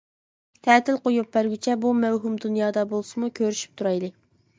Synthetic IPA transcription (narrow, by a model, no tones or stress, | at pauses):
t̪ʰɛːt̪ʰɪlqojup̚bæɾɡʲyt͡ʃʰɛbumæwɦumd̪unjɑːd̪ɑbolˠsɨmukʲʰøɾyʃy̥p̚t̪ʰuɾɑjlˠɨ